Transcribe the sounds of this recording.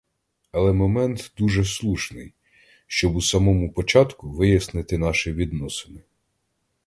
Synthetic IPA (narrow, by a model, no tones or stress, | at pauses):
ɐlˠɛmɔmɛnt̪d̪uʒɛslˠuʃnɪj | ʃt͡ʃɔbusɑmɔmʊpɔt͡ʃɑt̪kʊʋɪjɐsnɪt̪ɪnɑʃɪʋʲid̪nɔsɪnɪ